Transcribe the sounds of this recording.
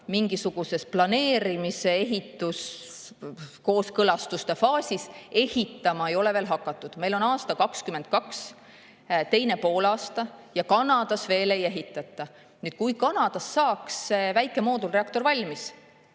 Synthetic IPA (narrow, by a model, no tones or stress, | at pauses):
miŋɡ̥isuɡ̥use̞splɑne̞ːɾimise̞eɦit̪ːˑus | ko̞ːskɤlɑst̪ust̪efɑːsʲise̞hit̪ːˑɑmɑe̞jo̞le̞ve̞ːlɦɑkːˑɑt̪ːˑud̪̥me̞jlo̞nɑːst̪ɑkɑkskymen̚kɑks | t̪e̞jne̞po̞ːlɑːst̪ɑjɑkɑnɑd̪̥ɑsve̞ːle̞je̞ɦit̪ːˑɑt̪ːˑɑ | nyːd̪̚kujkɑnɑd̪̥ɑsːɑːksevæjkːˑe̞mo̞ːd̪ulreɑk̚t̪o̞ɾvɑlʲmis